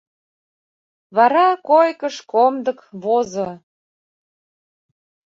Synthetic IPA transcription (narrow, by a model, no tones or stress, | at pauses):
βɑɾɑkojkəʃkomd̪əkβozo